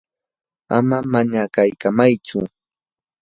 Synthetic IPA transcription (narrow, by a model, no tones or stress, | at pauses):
a̰mamaɲakajkamajt͡sʊ